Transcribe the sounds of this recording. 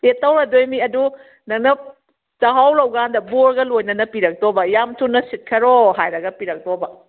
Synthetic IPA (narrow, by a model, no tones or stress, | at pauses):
etːɐwɾɐdojmiɐdu | nɐk̚nɐ | t͡ʃaɦawlɐwɡandɐboɾɡɐlojnɐnɐpiɾɐk̚tobɐjamtʰunɐsit̚kʰɐɾohajɾɐɡɐpiɾɐk̚tobɐ